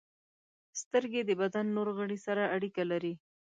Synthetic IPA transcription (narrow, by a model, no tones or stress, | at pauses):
st̪əɾɡed̪əbad̪anːoɾɣəɽisaɾaaɽikalaɾi